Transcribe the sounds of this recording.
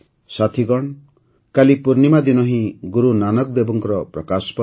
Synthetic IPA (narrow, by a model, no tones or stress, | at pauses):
sat̪ʰiɡɔɳ | kalipuɾnimad̪inɔɦĩɡuɾunanɔkd̪ebɔŋkɔɾɔpɾɔkaspɔ